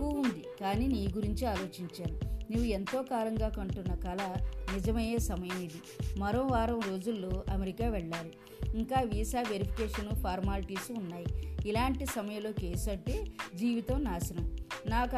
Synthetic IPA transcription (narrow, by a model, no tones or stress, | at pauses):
kuund̪ikaːniːniːɡuɾiɲt͡ʃiaːlo̞ːt͡ʃiɲt͡ʃaːnuniːʋːue̞nt̪o̞ːkaːlɐŋɡaːkɐɳʈunːɐkɐlɐnid͡ʒɐmɐjeːsɐmɐjɐmid̪i | mɐɾomʋaːɾɐmɾo̞ːd͡ʒulːoːʔɐmeɾikaːʋɛɭːaːɾu | iŋkaːʋisaːʋeɾipʰi̥keːʂɐnupʰaːɾmaːlʈiːsunːaːjiilaːɳʈisɐmɐjɐlo̞ːke̞ːsɐʈːeːd͡ʒiːʋit̪ɐmnaːsɐnɐmnaːk